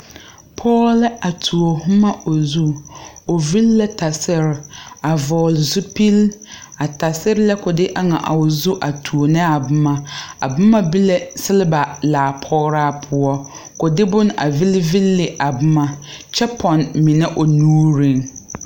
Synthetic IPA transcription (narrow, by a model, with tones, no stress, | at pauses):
pʰɔː˦lɪ˦a˨tʰu˨o˨hʊ˦ma˦o˨zu˦ | o˨vi˦lːa˦ta˨sɪ˦ɾɪ˨a˨vɔ˨lzu˦pi˦l | a˨ta˨sɪ˦ɾɪ˦la˦kʊ˨dɪ˦ʔa˦ŋa̰˨ʔa̰˨o˨zu˦ʔa˨tʰu˨o˨nɛ˦a˨bʊ˦ma˦a̰˨bʊ˦ma˦bi˦le˦sɪ˦lɪ˦ba˨laː˨pʰɔ˦ɣɾaː˦pʰʊ˦ɔ˦ | kʊ˨dɪ˦bʊ˦n˦a̰˨vi˦lvi˦lːɪ˨ʔa˨bʊ˦ma˦ | t͡ʃɛ˦pʰɔ˨nmɪ˨nɛ˦ʔo˨nuː˦ɾi˨ŋ